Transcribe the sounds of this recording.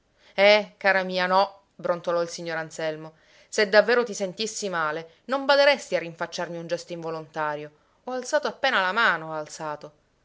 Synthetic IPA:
ɛkaːɾamiːanɔ | bɾont̪olɔilsiɲːoɾansɛlmo | sed̪ːavːeːɾot̪isent̪isːimaːle | nombad̪eɾɛst̪iarːiɱfat͡ʃːarmiund͡ʒɛst̪iɱvolont̪aːɾjo | ɔalsaːt̪oapːeːnalamaːnoalt̪saːt̪o

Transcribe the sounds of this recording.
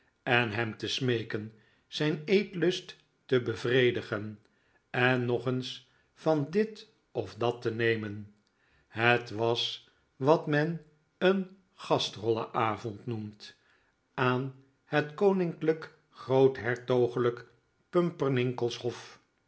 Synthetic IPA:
ɛnɦɛmtəsmejkən | z̥ɛjnejtlɵst | təbəvrejdəχən | ɛnːɔχəns | fɑndɪt | ɔfdɑtənejmən | ɦətʋɑs | ʋɑtmɛn | ən | χɑstrɔlə̰ʔaːvɔntnumt | aːn | hətkownɪŋklək | χrowtɦɛɹtowχələk | pɵmpəɹnɪŋkəlˠshɔf

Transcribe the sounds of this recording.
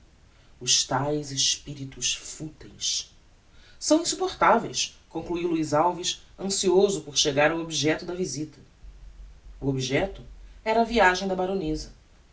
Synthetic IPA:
ʊʃt̪ajzeʃpiɾit̪uʃfut̪ẽjs | sɐ̃w̃ĩsupoχt̪avḛjs | kõkluiwluizawviʃɐ̃siozʊpoɾʃeɡaɾawobiʒɛt̪ʊd̪ɐvizit̪ɐ̥ | uobiʒɛt̪ʊɛɾɐːviaʒẽj̃d̪ɐbaɾõnezɐ

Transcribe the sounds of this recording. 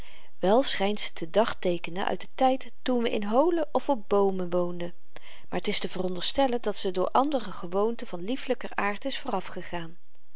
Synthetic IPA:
ʋɛlˠsχɛjntsə̥tʰədɑχtejkənə̰nʔœ̰ɥt̚dətɛjtː | unʋəʔɪnɦowləʔɔfɔp̚bowmənʋowndə | maːɹətɪstəvərɔndəɹstɛlədɑtsədʊːɹʔɑndərəχəʋowntəvɑnlifləkərʔaːɹtɪsfʊːrɑfχəχaːn

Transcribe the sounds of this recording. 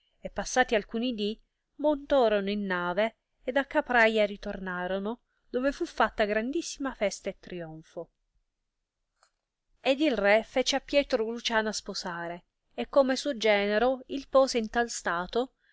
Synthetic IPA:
epːasːaːt̪ialkunid̪i | mont̪ɔːɾonoinːaːveː | d̪akːapɾajaɾit̪ornaːɾono | d̪oːvefufːat̪ːaɡɾand̪isːimafɛst̪aet̪ːɾiɔɱfo | ed̪ilrɛfɛːt͡ʃeapːjɛːt̪ɾolut͡ʃaːnasposaːɾe | ekːomesuod͡ʒɛːneɾoilpoːseint̪alst̪aːt̪o

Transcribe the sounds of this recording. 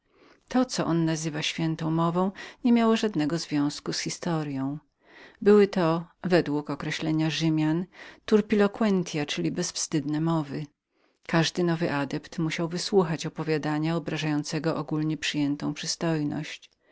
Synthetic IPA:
t̪ɔt̪sɔʔɔnːazɘvaɕfʲjɛnt̪ɔ̃w̃mɔvɔ̃w̃ɲɛmʲjawɔʐad̪nɛɡɔzvʲjɔ̃w̃skusxʲist̪ɔɾjɔ̃w̃ | bɘwɘt̪ɔvɛd̪wukɔkɾɛɕlɛɲaʐɘmʲjant̪uɾpʲilɔkwɛnt̪ʲjat͡ʂɘlʲibɛsfst̪ɘd̪nɛmɔvɘ | kaʐd̪ɘnɔvɘʔad̪ɛpt̪muɕawvɘswuxat͡ɕɔpɔvʲjad̪aɲaɔbɾaʐajɔnt̪sɛɡɔʔɔɡulɲɛpʂɘjɛnt̪ɔ̃w̃pʂɘst̪ɔjnɔ̰ɕt͡ɕ

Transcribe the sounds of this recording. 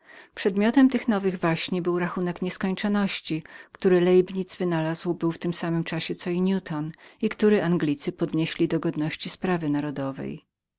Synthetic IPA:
pʂɛd̪mʲjɔt̪ɛmt̪ɘxnɔvɘɣvaɕɲibɘwɾaxunɛkɲɛskɔɲt͡ʂɔnɔɕt͡ɕikt̪uɾɘlɛjbɲid̪zvɘnalazwbɘwft̪ɘmsamɘmt͡ʂaɕɛt̪sɔiɲjut̪ʰɔnikt̪uɾɘʔaŋɡlʲit̪sɘpɔd̪ɲeɕlʲid̪ɔɡɔd̪nɔɕt͡ɕispɾavɘnaɾɔd̪ɔvɛ̰j

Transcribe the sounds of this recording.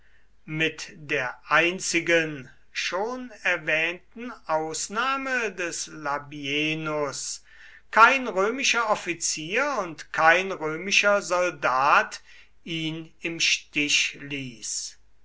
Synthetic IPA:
mɪtdeːɐʔaɪnt͡sɪɡən | ʃoːnɛɐvɛːntn̩ʔaʊsnaːmədɛslabieːnʊs | kʰaɪnʁøːmɪʃɐɔfit͡siːɐʊntkʰaɪnʁøːmɪʃɐzɔldaːt | iːnɪmʃtɪʃliːs

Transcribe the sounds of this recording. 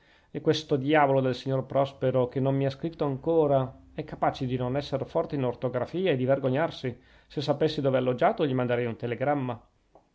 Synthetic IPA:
ɛkːwest̪od̪jaːvolod̪elsiɲːorpɾɔspeɾok̟enːommiaskɾit̪ːoaŋkoːɾa | ɛkːapaːt͡ʃed̪inonɛsːerfɔrt̪einort̪oɡɾafiːaed̪iverɡoɲːarsi | sesːapesːid̪oːvealːod͡ʒaːt̪oʎimand̪eɾɛjunt̪eleɡɾamːa

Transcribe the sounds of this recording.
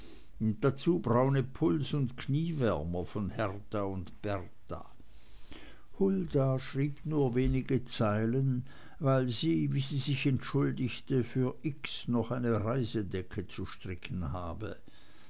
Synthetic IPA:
d̥at͡suːbʁaʊnəpʰʊlsʊntkʰniːvɛɐmɐfɔnhɛʁtaʊntb̥ɛʁta̰ | hʊldaʃʁ̥iːbnuːɐveːnɪɡət͡saɪlən | vaɪlziːviːziːzɪçɛntʃʊldɪçtəfyːɐʔɪksnɔχaɪnəʁaɪzədɛkʰət͡suʃtʁ̥ɪkʰn̩haːbə̰

